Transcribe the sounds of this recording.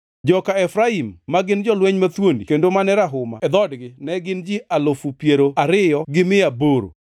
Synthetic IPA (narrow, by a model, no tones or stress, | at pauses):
d͡ʒɔkaɛfɾaimːaɡɪnd͡ʒɔlwɛɲmat̪wondḭkendomanɛɾaɦʊma̰ɛd̪ɔdɡɪnɛɡɪnd͡ʒiʔalofupjeɾoaɾɪjɔɡɪmɪaboɾo̰